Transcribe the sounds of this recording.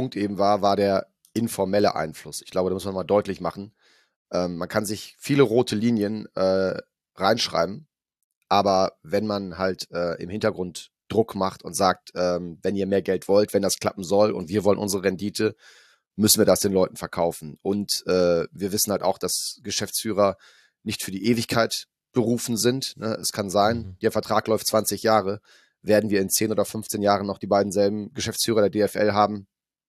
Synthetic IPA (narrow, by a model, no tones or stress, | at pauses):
ʊŋktʔeːbm̩vaːɐvaːɐɾeːɐ | ʔɪnfɔɐmɛlə̰ʔa̰ɪnflʊsɪ̥çɡ̥laʊbədaːmʊsmanmaːldɔʏtlɪçmaχn̩ | ʔɛːmːankʰanzɪçfiːləʁoːtʰəliːnjənʔɛː | ʁaɪnʃʁ̥a̰ɪbm̩ | ʔaːbɐvɛnmanhaltʔɛːʔɪ̰mhɪntɐɡʁʊnt | d̥ʁʊkmaχtʊntz̥aːk̚tʔɛːmvɛniːɐmeːɐɡɛltv̥ɔltv̥ɛndaskl̥apm̩zɔlʊ̰ntv̥iːɐvɔlənʔʊ̰nzəʁəʁɛndiːtʰə | mʏsn̩viːɐdasd̥eːnlɔʏtn̩fɛɐkʰaʊfn̩ʔʊntʔɛːviːɐvɪsn̩halta̰ʊxd̥asɡ̥əʃɛft͡sfyːʁ̞ɐ | nɪçtfyːɐdiːʔeːvɪçkʰaɪt | b̥əʁuːfn̩zɪntnəʔɛ̰skʰanzaɪnd̥eːɐfɛɐtʁ̥aːklɔʏft͡sv̥ant͡sɪçjaːʁə | veːɐdn̩viːɐɪnt͡seːnʔoːdɐfʏnft͡seːnjaːʁənːɔχd̥iːbaɪdn̩zɛlbm̩ɡəʃɛft͡sfyːʁɐɾeːɐdeːɛfʔɛ̰lɦaːbm̩